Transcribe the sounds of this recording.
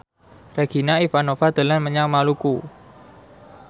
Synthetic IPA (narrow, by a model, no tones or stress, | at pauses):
raɡ̥i̤naifanofad̪̥ə̤lanməɲaŋmaluku